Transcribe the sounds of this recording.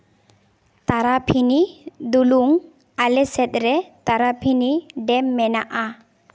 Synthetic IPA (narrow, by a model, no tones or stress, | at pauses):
t̪aɾapʰinid̪uluŋ | alɛsɛt̪̚ˀɾɛt̪aɾapʰiniɖɛmːɛnaʔa